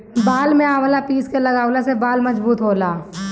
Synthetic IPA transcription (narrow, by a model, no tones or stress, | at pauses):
baːlmẽaːwəlapiːskeləɡaːwlasebaːlməzbuːt̪ɦoːlaː